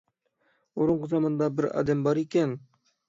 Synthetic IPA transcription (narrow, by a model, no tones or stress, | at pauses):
oɾʊɴqʊzɑmɑnd̪ɑbɪɾɑ̰ːd̪æmbɑɾikʲen